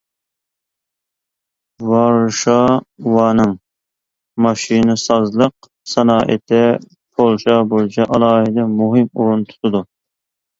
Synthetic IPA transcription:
vɑɾʃɑwɑːnɨŋ | mɑʃinɨsɑzlˠəq | sɑnɑːʔɪ̰t̪ʰɛ | pʰolˠʃɑbojt͡ʃʰɑʔɑlˠɑːɦɪd̪ɛmuɦɪmṵɾunt̪ʰu̥t̪ʰɨd̪u

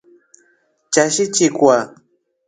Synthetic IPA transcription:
t͡ʃaʃit͡ʃikʷa

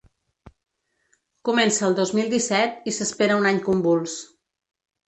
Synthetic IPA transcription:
kumɛnsəːlˠd̪ozmilˠd̪isɛt̪isəspeɾəunaɲkumbulˠs

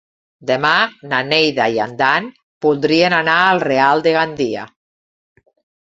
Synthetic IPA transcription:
d̪emananejðaia̰nd̪an | puld̪ɾienanaalˠrealˠd̪eɣand̪ia̰

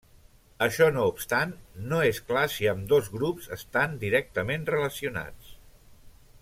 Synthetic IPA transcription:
əʃɔnoupst̪anːoesklasiəmd̪ozɣɾupzəst̪and̪iɾɛk̚t̪əmenrələsiuna̰t͡s

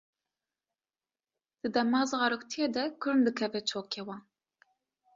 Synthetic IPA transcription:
d̪̥ɨd̪ɛmɑːzɨʁɑɾokt̪ʰijed̪ɛkʰɨɾnd̪ɨkʰɛvɛt͡ʃʰoːkʲʰeːwɑːn

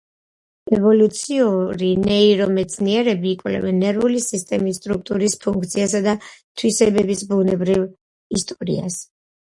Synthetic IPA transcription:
ɛvɔlut̪sʰiuɾinɛiɾɔmɛt̪sʰniɛɾɛbiːkʼwlɛ̰vɛnːɛɾvulisist̪ʼɛmisːt̪ʼɾuk̚t̪ʼuɾispʰuŋk̚ʰt̪sʰiasad̪at̪ʰwisɛbɛbisbunɛbɾiv | ist̪ʼɔɾḭa̰s

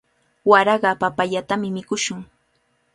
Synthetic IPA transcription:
waɾɑɢɑpapaʎat̪amɪmɪkʊʃʊŋ

